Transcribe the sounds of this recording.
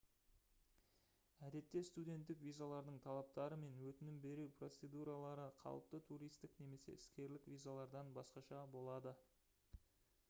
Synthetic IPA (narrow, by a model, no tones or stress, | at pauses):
æd̪e̞t̪ːe̞st̪ud̪ʲe̞nt̪ːɪkvʲijzalˠɑɾd̪əɴt̪ʰɑlˠɑp̚t̪ɑɾəme̞nwɵt̪ɪnɪmbe̞ɾuwpro̞t̪se̞d̪uɾalˠɑɾəqʰɑ̰lˠəp̚t̪ət̪ʰuɾijst̪ɪkne̞me̞se̞̰ɪskʲe̞ɾlɪkvʲijzalˠɑɾd̪ɑnbɑsqɑʃɑbo̞lˠɑd̪ə